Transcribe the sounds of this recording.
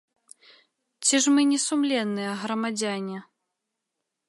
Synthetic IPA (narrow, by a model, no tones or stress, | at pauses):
t͡sʲiʐmɨnʲɛsumlʲɛnːɨjɐɣɾɐmad͡zʲanʲɛ